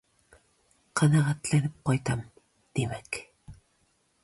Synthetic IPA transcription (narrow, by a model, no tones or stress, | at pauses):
qʰɑnɑʁæt̪lænɪp̚qɒjt̪ɑm | d̪̥emæk